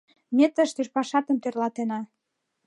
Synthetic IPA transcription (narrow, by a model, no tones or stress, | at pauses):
mʲet̪əʃt̪eʃpɑʃɑt̪əmt̪ørlɑt̪enɑ